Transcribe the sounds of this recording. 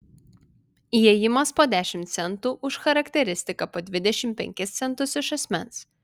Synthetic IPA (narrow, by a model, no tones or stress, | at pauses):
ijɛjɪmɐspoːd̪ʲæːʃʲɪmt̪sʲɛnt̪uːʔʊʃxɐɾɐkt̪ʲɛɾʲɪsʲt̪ʲɪkɐpoːd̪ʲʋʲɪd̪ʲɛʃʲɪmpʲɛ̰ŋʲkʲɪst̪sʲɛnˑt̪ʊsɪʃɐsʲmʲɛns